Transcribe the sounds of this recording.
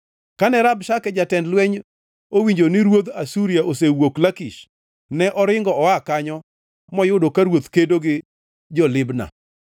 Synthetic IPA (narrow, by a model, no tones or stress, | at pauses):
kanɛɾabʃakɛd͡ʒatɛndlwɛɲ | owiɲd͡ʒonɪɾwod̪asuɾiaʔosewoklakiʃ | nɛʔɔɾɪŋɡɔɔakaɲɔ | mɔjʊdokaɾwot̪kedoɡɪ | d͡ʒɔlɪbna̰